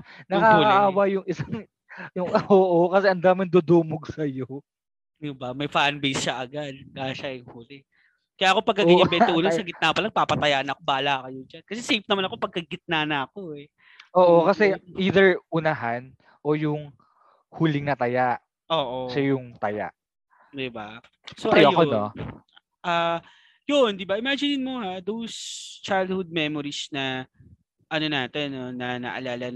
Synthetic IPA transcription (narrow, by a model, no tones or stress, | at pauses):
nɐaːkɐʔaːwɐjʊŋɪsaŋ | jʊŋʔoʔokɐsɛʔɐnd̪aːmɪnd̪ud̪uːmoɡ̚sɐjo | jʊbɐmɐjfanbejsʃɐʔɐɡad̪̚kaʃɐʔɪŋhuːlɪ | kɐjaːʔɐkopɐɡ̚kːɐɡɪɐbɛnt̪oʔuːnɐŋsɐɡɪt̪̚naːpɐlɐpaːpɐt̪ɐjaʔnɐɐkobaːlaːkɐjʊŋd͡ʒankɐsɛsejp̚nɐmanɐkopɐɡ̚kːɐɡɪt̪̚naːnɐɐko̞ɛ | ʔoːʔokɐsɛʔiːðɛɹʔʊnaɦan | ʔojʊŋ | huːlɪŋnɐt̪ɐjaʔ | ʔoːʔoʃɐjʊŋt̪ɐja̰ʔ | d̪ɪba | soʔɐjoɐjkono | ʔaː | jond̪ɪbaʔɪmad͡ʒɪnɪnmohad̪owst͡ʃajld̪̚hʊd̪̚mɛmoɾisnɐ | ʔɐno̞naːt̪ɛnːo̞nɐnɐ̰ʔɐ̰laːlɐn